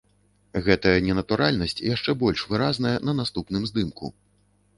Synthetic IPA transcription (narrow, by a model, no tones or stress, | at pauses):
ɣɛt̪ɐjɐnʲɛnɐt̪uɾʔalʲnɐsʲt͡sʲjaʂt͡ʂɛbɔlʲʂvɨɾaznɐjɐnɐnast̪upnɨmzd̪ɨmkṵ